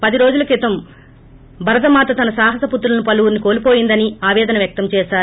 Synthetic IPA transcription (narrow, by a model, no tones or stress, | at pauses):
pɐd̪iɾoːd͡ʒulɐkit̪ɐm | bʱɐɾɐt̪ɐmaːt̪ɐt̪ɐnɐsaːɦɐsɐput̪ːɾulɐnupɐluʋuɾniko̞ːlipoːjind̪ɐniaːʋɛːd̪ɐnɐʋjɐk̚t̪ɐmt͡ʃɛːʃaːɾu